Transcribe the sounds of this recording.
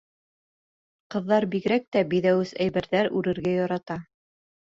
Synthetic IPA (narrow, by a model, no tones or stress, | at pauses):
qɤ̆ðːɑɾbiɡ̆ɾæk̚t̪æbiðæwɘsæjβɘ̆ɾðæɾʉɾɘ̆ɾɡæjɑɾɑt̪ɑ